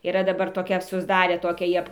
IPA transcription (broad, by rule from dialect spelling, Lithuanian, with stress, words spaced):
iːˈrɐ dɐˈbɐr toːˈkʲɛ sʊzˈdɑːrʲeː ˈtoːkʲæː ˈjiɛ